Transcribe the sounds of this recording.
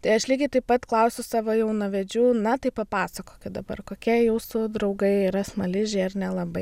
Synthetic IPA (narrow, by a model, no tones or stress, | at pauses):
t̪ɐɪɐʃlʲiːɡʲɪt̪ɐɪpɐt̪klˠɐʊsʲʊsɑːʋoːjɛʊnɐʋʲɛd͡ʒʲuːnɐt̪ɐɪpɐpɑːsɐkoːkʲɪtd̪ɐbɐ̰rkoːkʲiɛjuːsʊd̪ɾɐʊɡɐɪiːɾɐsmɐlʲɪʒʲeɪrnʲɛlˠɐbɐɪ